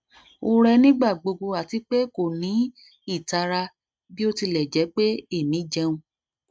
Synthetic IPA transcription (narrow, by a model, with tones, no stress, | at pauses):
o˧ɾɛ˧nĩ˦ɡ͡ba˦˨ɡ͡bo˧ɡo˧a˨ti˧k͡pe˦ko˦˨nĩ˨˦ | i˦˨ta˧ɾa˧ | bi˦o˦˧ti˧lɛ˨d͡ʒɛ˨˦k͡pe˦e˦˨mĩ˨˦d͡ʒɛ˧ũ˧